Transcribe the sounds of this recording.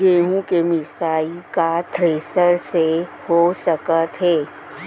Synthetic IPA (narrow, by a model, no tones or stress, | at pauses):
ɡeːɦũkemɪsaːikat̪ʰɾeːsəɾsehosəkət̪ɦɛː